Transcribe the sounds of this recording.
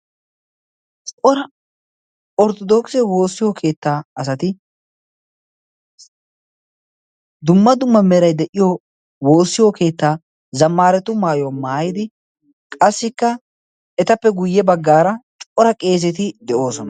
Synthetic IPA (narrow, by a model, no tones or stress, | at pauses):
t͡ʃʼʔɔɾɐ | ɔɾt̪ɔd̪oːksɛwo̞ːsːɪjokʰe̞ːt̪ːaːɐsɐt̪ɪ | d̪ʊmːɐd̪ʊmːɐmɛɾɐjd̪ɛʔɪjo | wo̞ːsːɪjoke̞ːt̪ːaː | zɐmːaːɾɛt̪ːʊmaːjɔmaːjɪd̪ɪ | kʼɐsːɪkːɐ | ɛt̪ɐpːɛɡʊjːɛbɐɡːaːɾɐt͡ʃʼʔɔɾɐkʼe̞ːz̬ɛt̪ɪd̪ɛʔo̞ːsɔnɐ